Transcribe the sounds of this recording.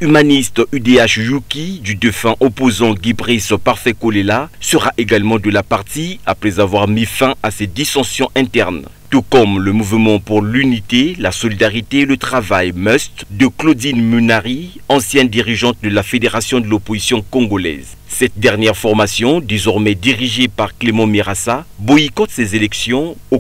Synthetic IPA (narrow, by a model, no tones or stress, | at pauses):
ymanist̪yd̪eaʃjukʲid̪yd̪efɛ̃ʔopozɑ̃ɡibʁispaʁfɛkolelasəʁaʔeɡalmɑ̃d̪əlapaʁt̪iapχɛzavwaʁmifɛ̃asɛd̪isɑ̃sjɔ̃ʔɛ̃t̪ɛʁn | t̪ukɔmləmuvmɑ̃puʁlynit̪elasɔlid̪aʁit̪elət̪χavajmœst̪d̪əklod̪inmynaʁiɑ̃sjɛ̃nd̪iʁiʒɑ̃t̪̚d̪əlafed̪eʁasjɔ̃d̪əlopozisjɔ̃kɔ̃ɡolɛ̰z | sɛt̪̚d̪ɛʁnjɛʁfɔʁmasjɔ̃d̪ezɔʁmɛd̪iʁiʒepaʁklemɑ̃meʁasabɔikɔt̪sezelɛksjɔ̃o